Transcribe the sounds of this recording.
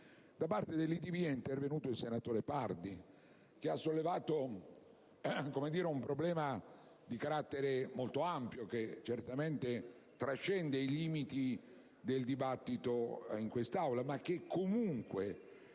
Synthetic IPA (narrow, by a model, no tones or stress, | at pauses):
d̪̥apart̪ed̪elːit̪iviɛint̪ervenuːt̪oilsenat̪oːɾepard̪i | k̟easːolːevaːt̪o | komed̪iːɾeumpɾoblɛːma | d̪ikaɾat̪ːeɾemolt̪oampjoket͡ʃert̪ament̪e | t̪ɾat͡ʃːɛnd̪eiliːmit̪i | d̪eld̪ibat̪ːit̪oiŋkwest̪awlamak̟ːekʰːomuŋkwe